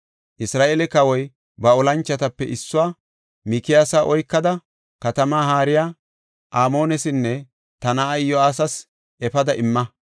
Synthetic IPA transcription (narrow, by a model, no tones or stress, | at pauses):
ʔɪsɾaːʔeːlɛkɐwɔj | bɐɔlɐnt͡ʃːɐt̪ɐpːɛʔɪsːʊwaː | mikɪjaːsaːʔɔjkːɐd̪ɐ | kɐt̪ɐmaːhaːɾɪjaː | ʔaːmo̞ːnɛsɪnːɛ | t̪ɐnaːjjɔaːs̬ɐs | ʔɛfɐd̪ɐʔɪmːɐ